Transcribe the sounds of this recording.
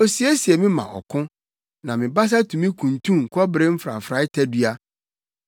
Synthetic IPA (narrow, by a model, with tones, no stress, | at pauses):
o˨si˦e˦si˨e˨mɪ̃˦mã̰˨ʔɔ̰˨kʰʊ̃˦ | nã˨mɪ̃˨ba˦s̬a˦tʰũ˨mĩ˦kʰũ˨ntʰũ˦ŋ̩˨kʰɔ˦bɾɪ˦m̩˦fɾa̰˨fɾa˦ɪ˦tʰɛ˦dɥa˦